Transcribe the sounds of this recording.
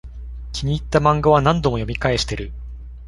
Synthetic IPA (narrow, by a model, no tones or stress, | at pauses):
kʲiɲ̟iːt̪ːamãŋɡaβ̞anãnd̪o̞mo̞jo̞mʲikae̞ɕi̥t̪e̞ɾɯ̟